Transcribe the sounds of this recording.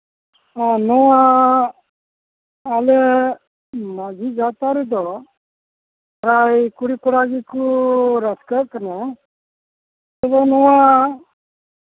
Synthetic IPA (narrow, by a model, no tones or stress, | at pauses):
anɔwa | lɛ | mad͡ʒʱid͡ʒat̪aɾɛd̪ɔɽɔ | ɾajkuɽikɔɽaɡikuɾaskakana | t̪ɔb̪ɔnɔwa